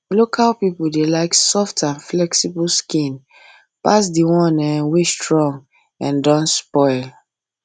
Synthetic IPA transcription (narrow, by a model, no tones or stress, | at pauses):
lokʰalpipuldelaɪksɔftãnflɛksibulskĩn | pas̬diwɔ̃nɛwestɹɔ̃ŋɡ | ãndɔ̃nspɔɪl